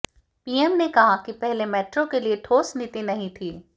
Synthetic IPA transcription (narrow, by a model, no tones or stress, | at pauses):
piːɛmnekɐɦakipɛɦlemɛːʈɾõkelieʈʰoːsnɪt̪inɐɦĩt̪ʰiː